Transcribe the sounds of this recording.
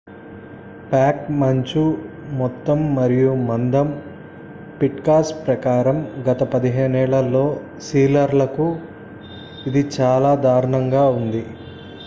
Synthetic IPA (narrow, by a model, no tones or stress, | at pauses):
paːkmɐɲt͡ʃu | mɔt̪ːɐmːɐɾijumɐnd̪ɐm | piʈkaːspɾɐkaːɾɐmɡɐt̪ɐpɐd̪iɦeːnɛːɭɐlːo̞ː | siːlɐɾlɐku | id̪it͡ʃaːlaːd̪aːɾɐɳɐŋɡaːund̪i